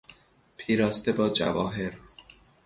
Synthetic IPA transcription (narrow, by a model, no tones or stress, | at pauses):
pʰiːɾɒːst̪ebɒːd͡ʒæ̰vɒ̰ːɦe̞ɾ